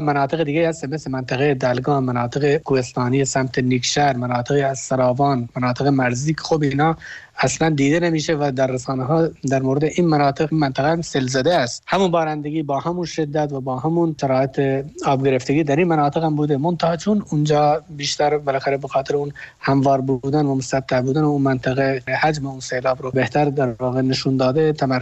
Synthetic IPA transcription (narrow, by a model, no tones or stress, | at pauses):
mænɑːt̪ʰeɣed̪iɡʲeiːhæst̪emeslemænt̪ʰæɣed̪ælɡɑːmænɒːt̪ʰeɣekʰuhest̪ɑːnijesæmt̪ʰeniːkʃæɾmænɑːt̪ʰeɣiːæz̥sæɾɑːvɑːnmænɑːt̪ʰeɣemæɾziːkʰe̥xobiːnɑː | æslænd̪iːd̪enemiːʃevæd̪æɾːæsɑːneɦɑːd̪æɾmoːɾed̪eʔiːnmænɑːt̪ʰeɣnmænt̪ʰæɣeæmselzæd̪eæst̪hæmunbɒːɾænd̪eɡʲiːbɒːhæmunʃed̪ːæt̪væbɒːɦæmunt̪ʰæɾɑːet̪ʰeɒːbɡʲeɾeft̪eɡiːd̪æɾinmænɑːt̪ʰeɣhæmbuːd̪emont̪ʰæhɑːt͡ʃʰunund͡ʒɒːbiːʃt̪æɾbelæxæɾebexɑːt̪eɾeunhæmvɒːɾbuːd̪ænvæmost̪æt̪ʰːæhbuːd̪æneunmænt̪ʰæɣehæd͡ʒmeunseːlɑːbɾobeht̪ʰæɾd̪æɾvɒːɣeneʃund̪ɒːd̪et̪ʰæmæɾ